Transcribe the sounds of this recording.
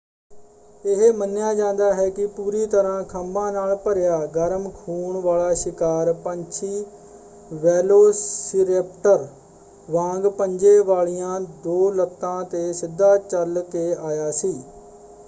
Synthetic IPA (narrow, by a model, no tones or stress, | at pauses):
eɦeːmənjaːd͡ʒãːnd̪aːɦɛːkɪpuːɾiːt̪əɾãːkʰəmbãːnaːlpəɾɪjaːɡəɾəmkʰuːɳʋaːlaːʃɪkaːɾpəɲt͡ʃʰiː | ʋɛːloːsɪɾeːp̚ʈəɾ | ʋãːŋɡpəɲd͡ʒeːʋaːɭijãːd̪oːlət̪ːãːt̪eːsɪd̪ːaːt͡ʃəlkeːaːjaːsiː